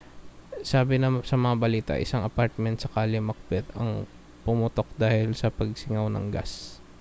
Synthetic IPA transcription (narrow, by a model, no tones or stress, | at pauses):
saːbɪnɐsɐmɐŋabɐliːt̪ɐ̰ʔɪ̰saŋɐpaɾt̪̚mɛnt̪sɐkaːlɪmɐk̚bɛt̪ɐ̰ŋ | pʊmʊt̪o̞k̚d̪aːhɪlsɐpɐɡ̚sɪŋawnɐ̰ŋɡa̰s